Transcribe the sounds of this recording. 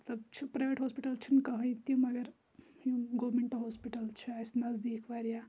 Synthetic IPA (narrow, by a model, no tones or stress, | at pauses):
t̪ɐbt͡ʃʰupɾajʋeʈɦoːspiʈɐlt͡ʃʰinkɐɦɐ̃jt̪jũmɐɡɐɾ | jũɡoːʋmeɳʈoɦoːspiʈɐlt͡ʃʰiasnɐzd̪iːkʰʋaɾja